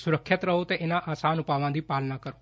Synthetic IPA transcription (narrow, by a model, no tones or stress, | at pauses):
sʊɾəkʰːət̪ɾəɦot̪eʔenaʔaːsaːnupaʋãd̪ʱipaːlnakəɾõ